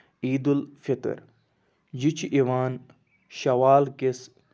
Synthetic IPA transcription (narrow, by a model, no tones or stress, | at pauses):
iːd̪ulfit̪ə̰ɾ | d͡ʑit͡ʃʰʔiʋaːn | ʃɐʋaːlkes